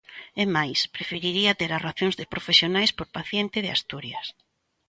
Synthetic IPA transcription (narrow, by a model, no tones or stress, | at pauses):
emajspɾefiɾiɾiɐt̪eɾaraθjõŋzðepɾofesjonajspoɾpaθjent̪ɪð̞ea̰st̪uɾjɐs